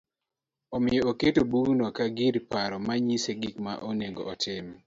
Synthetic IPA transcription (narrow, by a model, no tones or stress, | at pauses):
ɔmɪjɔoketobunɔkaɡiɾpaɾɔmaɲiseɡikma̰ʔoneɡɔ̰ʔɔtʰɪm